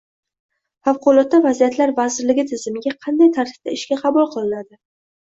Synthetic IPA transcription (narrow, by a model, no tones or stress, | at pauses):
fafqʰʊlˠɒt̪ːavazijat̪laɾvazɪɾlɪɡʲɪt̪ʰɪzɪmɪɡʲaqʰɑnd̪ajt̪ʰaɾt̪ʰɪ̥ft̪a̰ɪʃkʲaqʰɑbulˠqʰɨlˠɪnad̪ɪ